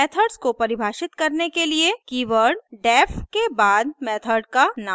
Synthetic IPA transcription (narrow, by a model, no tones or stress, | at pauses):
ɛːt̪ʰəɾɖskopɐɾɪbʱaːʃɪt̪kɐɾnekeliekiːʋəɾɖɖɛːfʰkebaːd̪̚mɛːt̪ʰəɾɖkana